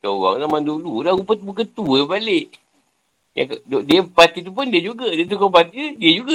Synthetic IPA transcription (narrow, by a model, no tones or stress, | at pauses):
t̪əwa̰ŋzamandululaupət̪̚bəkət̪ubaleʔ | ja̰kdodiəpat̪it̪up̬ʊndiəd͡ʒuɡadiət̪ukopat̪idiəd͡ʒuɡa